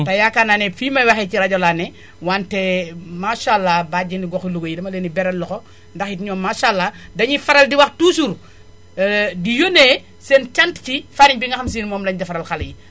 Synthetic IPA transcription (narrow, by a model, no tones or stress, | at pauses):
tɐjakanaːnɛfiːmɐwaxɛciɾɐɟɔlanɛ | wantɛmaʃalːabaɟiniɡɔxiluɡojidɐmɐleːnibɛɾɐnlɔko | ndɐxjitɲɔːmaːʃalːadɐɲifɐɾɐldiwɐxtusuɾ | dijoneː | sent͡ʃɐntcifaɾiɲbiŋɐxɐms̬inmɔːmlɐɲdɐfɐɾɐlxɐlji